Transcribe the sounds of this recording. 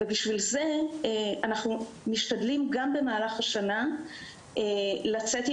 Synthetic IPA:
ebiʃvilze̞ | anaχnu | miʃtad̪limɡambe̞maːlaχaʃana | elat͡se̞t

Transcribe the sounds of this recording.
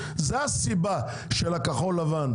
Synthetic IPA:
zeasiba | ʃelakaχolːavan

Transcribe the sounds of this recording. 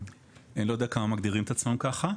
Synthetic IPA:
enlodeakamamaɡd̪iʁimet̪at͡smamkaχa

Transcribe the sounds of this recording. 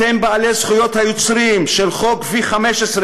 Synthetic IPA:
embaːlezχujo̞t̪hajot͡sʁiːmʃelχo̞kviχameʃesʁ

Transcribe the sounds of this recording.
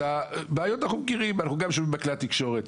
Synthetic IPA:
abeːjot̪anaχnumɡiʁimveanaχnuɡamʃomimakleat̪ikʃo̞ʁet̪

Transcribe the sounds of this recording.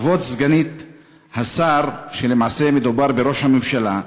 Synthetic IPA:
vo̞t̪zɡanit̪ | hasaɾʃelemaːse̞med̪ubaʁbeɾo̞ʃhamemʃala

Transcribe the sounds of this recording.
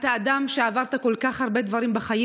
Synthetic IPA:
t̪aːd̪amʃeavaʁt̪ako̞lkaχhaʁbe̞d̪vaʁimbeχaji

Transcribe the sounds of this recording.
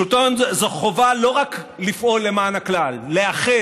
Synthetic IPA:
ut̪onzzoχo̞valo̞ʁak | lifʔo̞lːemaːnaklalːeaχe

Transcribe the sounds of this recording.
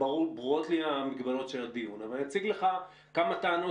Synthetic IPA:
aʁubʁuo̞t̪liamikbalo̞tʃeld̪iunavalat͡siɡleχa | kamat̪aːno

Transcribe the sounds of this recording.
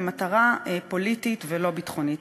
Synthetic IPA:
mataʁaepo̞lititvelo̞bitχo̞nit

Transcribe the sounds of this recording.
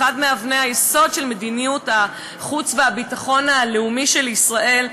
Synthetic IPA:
admeavnehajeso̞dʃe̞lme̞d̪inijuta | χut͡sveabitaχo̞naleumiʃe̞lisʁaʔe̞l

